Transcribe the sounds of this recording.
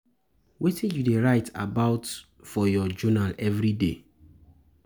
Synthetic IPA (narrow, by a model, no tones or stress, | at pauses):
wetʰĩjudeɹaɪta̰baʊt | fɔjɔd͡ʒɔnalɛvɹidḛ